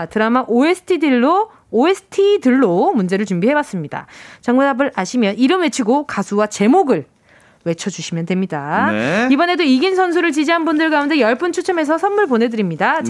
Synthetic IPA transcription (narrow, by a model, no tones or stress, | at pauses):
tɯɾamaʔoesʰɯ̥tʰidiɭːoː | esʰɯ̥tʰidɯɭːomund͡ʑe̞ɾɯɭt͡ɕumbiɦe̞was͈ɯmɲida̰t͡ɕaŋmadabɯɾaɕʰimjʌniɾɯmwe̞t͡ɕʰiɡokasʰuwat͡ɕe̞moɡɯɭ | we̞t͡ɕʰʌd͡ʑuɕʰimjʌntwe̞mɲidaibʌne̞doiɡinsʰʌns̬ʰuɾɯɭt͡ɕid͡ʑiɦanbundɯɭkaunde̞jʌɭp͈unt͡ɕʰut͡ɕʰʌme̞s̬ʰʌsʰʌnmːuɭpone̞dɯɾimɲida